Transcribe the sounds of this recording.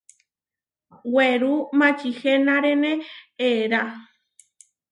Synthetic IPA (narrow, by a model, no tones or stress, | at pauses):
weɾumãt͡ʃixenãɾeneeɾa